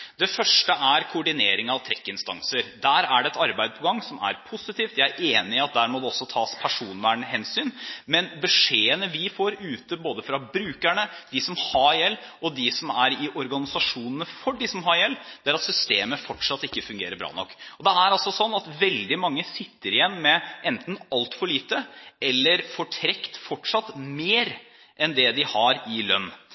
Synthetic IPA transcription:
d̪̥ɛfœʂʈəʔæɾkʰʊːɖɪneːɾɪŋɑʋt̪ʰɾɛkːɪnst̪ɑŋsəɾd̪æːɾæɖɛɛt̪ɑɾbæɪd̪əpʰɔɡɑŋːsɔmæ̰ɾpʰʊsɪt̪iːft̪jæɪæɾʔeːnɪɪɑt̪̚d̪æːɾmɔd̪ɛɔsːɔt̪ʰɑːspʰæʂuːnʋæːɳəɦɛnsyːnmɛnbəʂeːənəʋɪfoːɾʉːt̪əboːd̪əfɾɑbɾʉːkæɳəd̪ɪsɔmhɑɾjɛlːɔd̪ɪsɔmæɾɪʔɔɾɡɑnɪsɑʂuːnənəfɔɖɪsɔmɦɑɾjɛlːd̪̥ɛæɾɑt̪sʏst̪eːməfɔʈʂɑt̪ːɪkːəfʉŋɡḛːɾəbɾɑ̰ːnɔ̰kːɔd̪ɛæɾɑlsɔsɔnːɑt̪ʋɛld̪ɪmɑŋːəsɪt̪ːəɾɪjɛnːmɛʔɛnt̪n̩ɑlt̪fɔɭiːt̪əɛlːəɾfɔʈʰɾɛkt̪fɔʈʂɑt̪meːɾ | ʔɛnd̪ɛd̪ɪhɑɾɪlœ̰nː

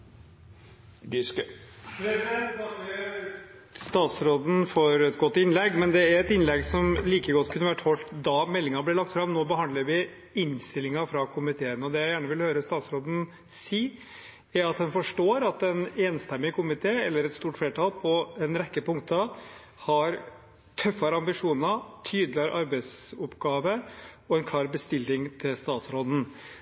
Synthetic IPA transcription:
d̪ɪ | ɑ | st̪ɑːt̪sɾoːd̪n̩fɔɾɛt̪ɡɔt̪ːɪnlɛɡːmɛnd̪ɛæɾɛt̪ɪnlɛɡsɔmliːkəɡɔt̪ːkʰʉnːəʋæʈːhɔlt̪d̪ɑmɛlːɪŋɑblɪɭɑk̚t̪fɾɑmnoːbəhɑnd̪ləɾʋɪ | ɪnst̪ɪlɪŋɑfɾɑkʰʊmɪt̪ʰeːənɔd̪ɛjæɪjæːɳəʋɪlhøːɾəst̪ɑːt̪sɾoːd̪n̩ | siː | æɾɑt̪hɑnfɔʂʈoːɾɑt̪ɛneːnst̪ɛmːɪkʰʊmɪt̪ʰeːɛlːəɾɛt̪st̪uːʈfleːʈʰɑːlpʰɔɛnɾɛkːəpʊŋkt̪ʰə | hɑɾ | t̪ʰœfːɑɾəɑmbɪʂuːnət̪ʰyːd̪lɪɑɾʔɑɾbɛɪsʊpɡɑːʋəɔɛnkʰlɑːɾbəst̪ɪlːɪŋt̪ʰɪlst̪ɑːt̪sɾoːd̪n̩

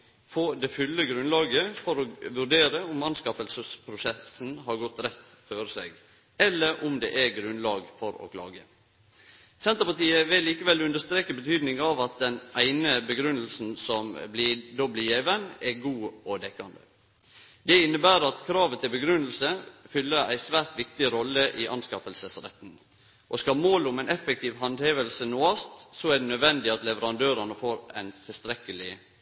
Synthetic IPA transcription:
fod̪ɛfʉlːəɡɾʉnlɑːɡəfɔɾɔʋʉɾɖeːɾəʊmɑnskɑfəlsəspʰɾʊsɛsn̩ɦɑɾɡɔt̪ːɾɛt̪ːføːɾəsɛ̰ɡ | ɛlːəɾʔʊmd̪ɛ̰ʔæɡɾʉnlɑːɡfɔɾo̰ːkʰlɑ̰ːɡə̰ | sɛnt̪əɾpɑʈ̪iːəʋɪlːiːkəʋɛlʉnd̪əʂt̪ɾeːkəbət̪ʰyːd̪nɪŋɑʋɑt̪̚d̪ɛnæɪnəbəɡɾʉnəlsn̩sɔmblɪd̪ɔblɪjeːʋənɛɡuːɔd̪ɛkːɑnd̪ə̰ | d̪ɛɪnːəbæːɾɑt̪kʰɾɑːʋət̪ʰɪlbəɡɾʉnəl̩səfʏlːəɾæ̰ɪsʋæːɾt̪ʋɪkt̪ɪɾɔlːəʔiʔɑnskɑfəlsəsɾɛ̰t̪n̩ | ʔɔskɑmoːlʊmæɪnɛfɛk̚t̪iːʋɦɑnd̪heːʋəlsənoːɑst̪sɔæɖɛnœd̪ʋɛnd̪ɪɑt̪lɛʋəɾɑnd̪øːɾəɳəfoːɾæ̰ɪnt̪ʰɪlst̪ɾɛkəlɪ

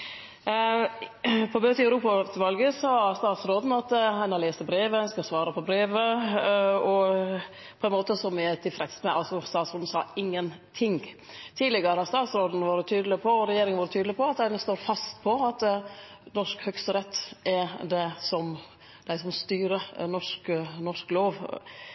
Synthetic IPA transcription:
pʰɔbøːt̪ɪɑʉɾuːpɑt̪ʰʋɑlɡəsɔst̪ɑːt̪sɾoːd̪n̩ɑt̪hɛnɑleːsəbɾeːʋəskɑsʋɑːɾəpʰɔbɾeːʋə | ɔ | pʰɔɛnmoːt̪əsɔmɪæt̪ʰɪlfɾɛt̪smɛʔɑlsɔst̪ɑːt̪sɾoːd̪n̩sɑ̰ːɪŋːənt̪ʰɪŋ | t̪ʰiːd̪lɪɡəɾəhɑɾst̪ɑːt̪sɾoːd̪n̩ʋɑːɾət̪ʰyːd̪lɪpʰɔɔɾɛjeːɾɪŋənɑːɾət̪ʰyːd̪lɪpʰɔɑt̪æɪnəst̪oːɾfɑst̪pʰɔɑt̪nɔʂkhœɡst̪əɾɛt̪ːɛɾd̪ɛsɔm | d̪̥æɪsɔmst̪yːɾənɔʂknɔʂkloːʋ

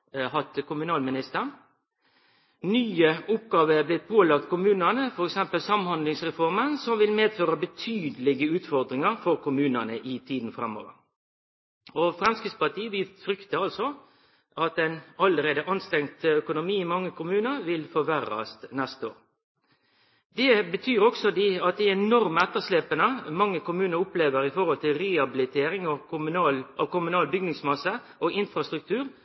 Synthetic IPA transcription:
hɑt̪kʰʊmʉnɑːlmɪnɪst̪ən | nyːəʊp̚ɡɑːʋəæblɪt̪̚pʰoːlɑkt̪̚kʰʊmʉːnənəfɔɾɛksɛmpəlsɑmhɑnd̪lɪŋsʁɛfɔʁmənsɔmʋɪlmeːd̪føːɾəbət̪ʰyːd̪əlɪɡəʉːt̪fɔʁd̪ɾɪŋəʁfɔɾkʊmʉːnənəʔɪt̪ʰiːd̪n̩fɾɛmːo̰ːʋə̰ɾ | ɔfɾɑnskəspɑt̪ʰiːəʋɪt̪fɾʏkt̪əɑlsɔ | ɑt̪ɛnɑləɾeːd̪əʔɑnst̪ɾɛŋt̪œkʊnʊmiːɪmɑŋːəkʰʊmʉːnəɾʋɪlfɔʋæɾːɑ̰st̪nɛst̪o̰ːɾ | d̪ɛbət̪ʰyːɾɔksɔd̪iɑt̪̚d̪ɛɛnɔʁmɛt̪ːəsleːpənəmɑŋːəkʊmʉːnəɾʊpleːʋəɾɪfɔɾhɔlt̪ɪlɾɛɑbɪlɪt̪ʰeːɾɪŋɔʊmnɑlʔɔkʊmʉnɑːlbʏɡnɪŋsmɑsːə | ʔɔʔɪnfɾɑst̪ɾʉk̚t̪ʰʉːɾ

